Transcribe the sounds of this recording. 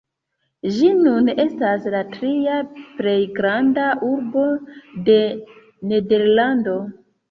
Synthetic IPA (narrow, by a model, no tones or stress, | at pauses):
ʒinune̞staslatɾiaple̞jɡɾandaʔuɾbo̞de̞ | ne̞de̞ɾlando̞